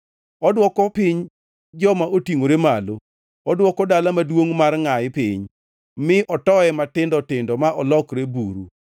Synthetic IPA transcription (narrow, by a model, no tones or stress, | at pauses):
ɔdwɔkɔpɪɲ | d͡ʒɔmaotiŋoɾemalo | ɔdwɔkɔdalamadwoŋmarŋajɪpɪ̰ɲ | mɪʔɔtɔɛmatɪndɔtɪndɔmaʔɔlɔkɾebuɾṵ